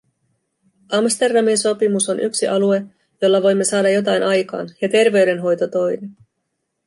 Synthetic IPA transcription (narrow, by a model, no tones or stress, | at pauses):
ʔɑmst̪e̞rdɑminso̞pimuso̞nʔyksiʔɑlue̞ | jo̞lːɑʋo̞jmːe̞sɑːdɑjo̞t̪̬ɑjnʔɑjkɑ̰ːnjɑt̪e̞rʋe̞ɥde̞nɦo̞jt̪o̞t̪o̞jnen